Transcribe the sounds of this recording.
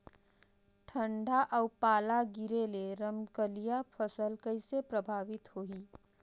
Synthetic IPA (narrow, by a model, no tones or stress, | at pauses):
ʈʰə̃ɳɖʱaʔɔpaːlaɡɪɾeleɾəmkəlijapʰəsəlkɐɪsepɾɐbʱaːʋɪt̪hoːiː